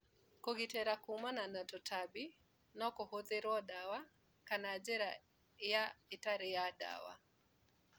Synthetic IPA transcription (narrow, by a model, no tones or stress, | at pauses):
kɔɡitɛɾakumananatɔtʰabi | nɔkɔhoðeɾɔɗawa | kanad͡ʒɛɾa | jaitaɾijada̰wa̰